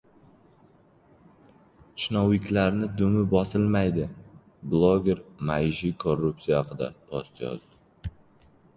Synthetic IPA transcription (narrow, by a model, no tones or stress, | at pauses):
t͡ʃʰnɒwɪkʲʰlaɾnɪd̪ʊmɪbɒsɪlmajd̪ɪ | blˠoɡʲe̞ɾmajʒikʰorːupsijahɑqʰɨd̪a̰pʰost̪jɒ̰zd̪ɪ